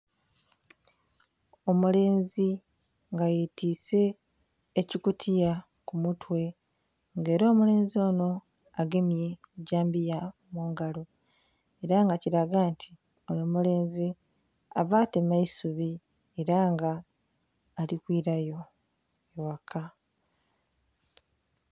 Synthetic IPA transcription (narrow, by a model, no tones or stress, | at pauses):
o̞mule̞ːnzi | ŋɡajetiːse̞ː | cikutʰija | kumutwe̞ | ŋɡe̞ːɾo̞ːmule̞ːnzio̞ːno̞ | aɡe̞mje̞kuɟaːmbija | muːŋɡalo | e̞ɾaŋɡaciɾaɡaːntʰi̥ | ojomule̞ːnzi | avaːte̞maisuβi | eɾaŋɡaː | likwiːɾajo̞ | ewakʰa